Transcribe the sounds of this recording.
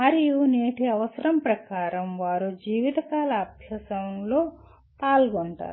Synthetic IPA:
mɐɾijuneːʈiɐʋɐsɐɾɐmpɾɐkaːɾɐmʋaːɾud͡ʒiːʋit̪ɐkaːlɐːbʱjɐsɐmlo̞ː | paːlɡoɳʈa̰ːɾu

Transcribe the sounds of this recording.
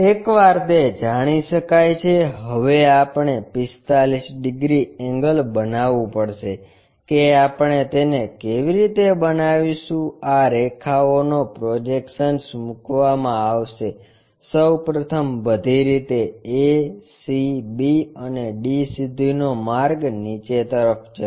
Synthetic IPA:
ekʋaɾt̪ed͡ʒaɽ̃iʃəkajt͡ʃʰeɦəʋeapɳ̃epɪst̪alisɖɪɡɾiɛ̃ŋɡəlbənaʋũpəɽʃe | keapɳet̪enekeʋiɾit̪ebənaʋiʃũaɾekʰaonopɾod͡ʒekʃənsmukʋamãaʋʃe | səwpɾət̪ʰəmʋəd̪ʱiɾit̪eesibiəneɖisid̪ʱinomaɾɡnit͡ʃet̪əɾəft͡ʃʰə

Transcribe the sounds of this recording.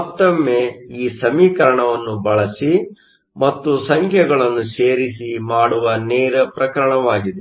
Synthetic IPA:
ɔt̪ːɐmːeiːsɐmiːkɐɾɐɳɐʋɐnːubɐɭɐsi | mɐt̪ːusɐŋkʰjɛɡɐɭɐnːuʃeːɾisimaːɽuʋɐneːɾɐpɾɐkɐɾɐɳɐʋaːɡid̪e

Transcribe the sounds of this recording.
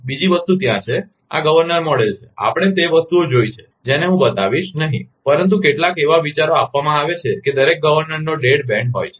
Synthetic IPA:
bid͡ʒiʋəst̪ut̪jãt͡ʃʰe | a̰ɡəʋəɾnəɾmɔɽelt͡ʃʰea̰pɽ̃et̪eʋəst̪uod͡ʒojt͡ʃʰe̥ | d͡ʒeneɦũbət̪aʋiʃnəɦḭ̃pəɾənt̪̬ukeʈlakeʋaʋit͡ʃaɾoapʋamãaʋet͡ʃʰeked̪əɾek̚ɡəʋəɾnəɾnoɖeɽbɛ̃ɳɖɦo̰jt͡ʃʰe̥

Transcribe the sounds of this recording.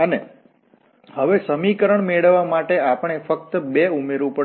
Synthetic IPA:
əne | həʋesəmikəɾəɳmeɭəʋːamaʈeapəɳ̃efək̚t̪əbeumeɾʋũpəɽ

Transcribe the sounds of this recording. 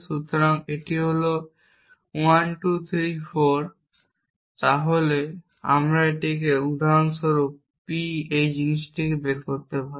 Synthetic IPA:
ʃut̪oɾaŋeʈiɦolo | wanʈut̪ʰɾifoɾ | t̪aɦole | a̰mɾaeʈik̬eud̪ʱaɾonʃoɾup | piejd͡ʑiniʃʈʰikebeɾkoɾt̪epaɾ

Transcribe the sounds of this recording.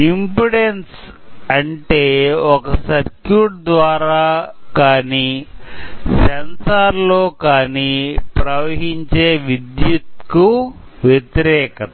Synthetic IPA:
impuɽens | ɐɳʈeːɔkɐsɐɾkjuːʈ̚d̪ʋaːɾaːkaːniː | sɐnsaːɾloːkaːniːpɾɐʋɐɦiɲt͡ʃeːʋid̪jut̪kuʋjet̪iɾɛːkɐt̪ɐ

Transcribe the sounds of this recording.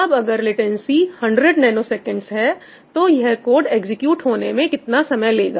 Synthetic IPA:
ɐbɐɡəɾlɪʈɛnsihɐ̃ɳɖɾeɖnɛːnosɛːkə̃ɳɖsɦɛ | t̪ojɛɦkoːɖeːɡzɪkjuːʈɦoːnemẽkɪt̪nasɐməjleːɡa̰ː

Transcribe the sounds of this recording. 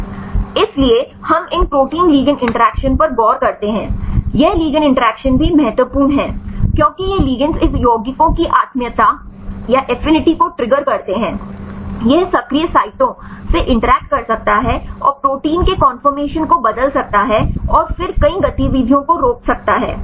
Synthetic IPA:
ɪslie | hɐmɪnpɾoːʈiːnliːɡənʔɪ̃ɳʈəɾɛːkʃənpɐɾɡɔːɾkɐɾt̪eɦɛ̃ːjɛɦliːɡənɪ̃ɳʈəɾɛːkʃənbʱimɛɦɛt̪wəpuːnɦɛːkjõːkijɛɦliːɡə̃nsɪsjoːɡikõkiʔaːt̪mijət̪a | jaʔɛfɪnɪʈikoʈɾɪɡəɾkɐɾt̪eɦɛ̃ːjɛɦsɐkɾijəsaːɪʈõseʔɪ̃ɳʈəɾɛːk̚ʈ̚kɐɾsɐk̚t̪aɦɛɔ̰ːɾpɾoːʈiːnkekɔ̃ːnfəɾmeːʃənkobɐd̪əlsɐk̚t̪aɦɛɔːɾfɪɾkɐiɡɐt̪iʋiːd̪ʱijõkoɾoːksɐk̚t̪aɦɛ̰ː

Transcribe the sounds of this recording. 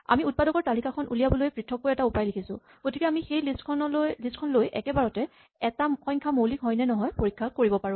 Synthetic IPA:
a̰miut̚padɔkɔɹtalikakʰɔnʔṵlijabɔlojpɹitʰːɔkːojɛtaupajlikʰisʊ̰̃ | ɡ̥otʰikɛamixejlistkʰɔnɔljlistkʰɔnlojʔɛ̰kɛbaɹɔtɛ | ɛtaxɔjɲkʰamowlikɦɔjnɛnɔɦɔjpoɹikʰːakoɹibɔpaɹʊ̃

